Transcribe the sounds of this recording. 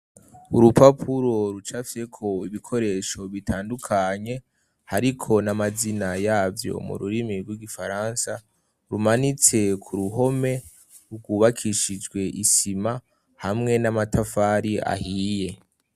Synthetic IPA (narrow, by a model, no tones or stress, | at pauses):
uɾupapʰuɾo̞ɾut͡ʃafsekʰo̞iβikʰo̞ɾe̞ːʃo̞βitʰaːndukʰaɲe̞ | haɾikʰo̞namazinajaːvjo̞̰mṵɾṵɾimiɾɡwiɡifaɾansa | ɾumanit͡se̞kʰuɾuɦo̞me̞ | uɡuːβakʰiʃid͡ʒɡwe̞ʔisima | hamŋe̞namatʰafaɾia̰hije̞